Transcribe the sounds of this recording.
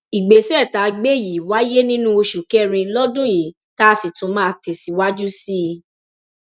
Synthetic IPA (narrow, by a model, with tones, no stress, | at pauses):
i˨ɡ͡be˨sɛ˦˨ta˨˧ɡ͡be˦˨ji˨wa˦je˦nĩ˦nũ˦o˧ʃu˨kɛ˦ɾ̃ĩ˧lɔ˦dũ˦˨jĩ˨˦ | ta˦˧si˨tũ˨˦mã˦˨tɛ˨si˨˦wa˦d͡ʒu˦si˦˧